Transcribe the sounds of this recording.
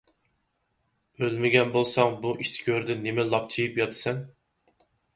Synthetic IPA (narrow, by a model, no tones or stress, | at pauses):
ølmɪɡʲɛnbolˠsɑŋbuʔiʃt̪ʰkʲʰøɾd̪ɪnːemɪlˠɑp̚t͡ʃʰijipjɑt̪ʰɨ̥sɛn